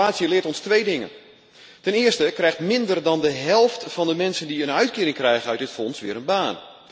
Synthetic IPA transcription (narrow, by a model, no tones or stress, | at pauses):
aːsjəlɪətɔnstʋejdɪŋə̰n | tɛnɪəstəkrɛjxtmɪndərdɔndəɦɛlˠftfɑndəmɛnsəndiənœɥtkɪːɾɪŋkrɛjɣənœɥtdɪtfɔnsʋɪːɾənbaːn